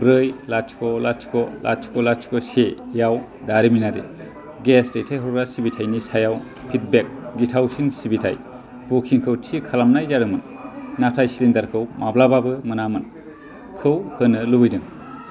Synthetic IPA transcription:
bɾɯjlat͡ʃkʰɔlat͡ʃkʰɔla̰t͡ʃkɔlat͡ʃʰkʰɔsejaw | daɾiminaɾḭ | ɡesɾejtʰajɦɔwɾasibitʰajnisajaw | pʰit̚bek̚ɡitʰawsinsibitʰa̰j | b̥ukʰiŋkʰɯwtʰikʰalamnajdaɾɯmɯnː | atʰajsilindaɾkʰɯwmablababɯmɯnamɯn | kʰɯwhɯnɯlubɯjdɯŋ

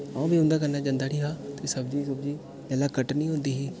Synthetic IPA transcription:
ãːbiːʊ̃nd̪aːkəɾnaːd͡ʒãːnd̪aːɾiːɦaːt̪esəbd͡ʒiːsəbd͡ʒiː | lɛlaːkəʈnĩːɦõːnd̪iːɦiː

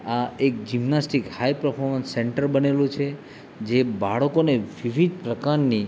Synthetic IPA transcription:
aekd͡ʒimnasʈikhajpɾəpʰoɾmənsːɛɳʈəɾbənelũt͡ʃʰe | d͡ʒebaɭəkoneʋiʋid̪̚pɾəkaɾni

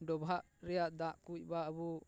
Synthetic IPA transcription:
ɖɔbʱaʔ | ɾɛjaʔd̪aʔkuc̚ˀbaəbu

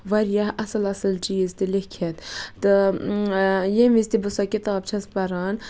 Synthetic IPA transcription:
ʋɐɾjaɦɐsɨlɐsɨlt͡ʃiːzt̪ilikʰet̪t̪ɨ | jemist̪ibɨsakit̪ɑːb̚t͡ʃʰɐspɐɾɑːn

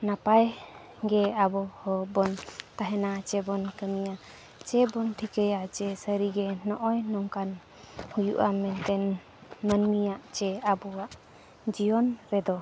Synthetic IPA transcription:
napaj | ɡɛabɔhɔbɔnt̪aɦɛnat͡ʃɛbɔnkəmija | t͡ʃɛbɔnʈʰikəjaʔt͡ʃɛsəɾiɡɛnɔʔɔjnɔŋkan | hujṵʔamɛnt̪ɛn | mənmijaʔt͡ʃɛabɔwaʔ | d͡ʒijɔnɾɛd̪ɔ

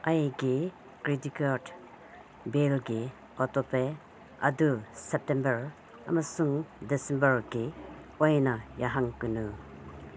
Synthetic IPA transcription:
ajɡi | kɾitikat | belɡi | ɔtɔpe | ɐ̰dusep̚tembɐɾ | ɐ̰mɐsuŋdisembɐɾɡiojnɐjaɦaŋkunu

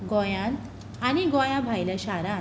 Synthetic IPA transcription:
ɡɔjãn | aniɡɔjãbʱajlasaɾã

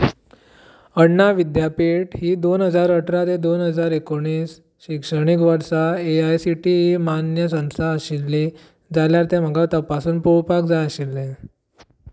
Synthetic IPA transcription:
əɽnaʋid̪japiʈhiːd̪onɦəd͡zaɾəʈʰɾat̪ed̪onɦəd͡zaɾekoɳ̃iːs | ɕikʂəɽ̃ikʋəɾsaeajsiʈiːɦiːmanjəsə̃w̃st̪ʰaəɕilːiː | d͡zaljaɾt̪em̤əɡat̪əpasuːnpuɭpakd͡zajəɕilːe

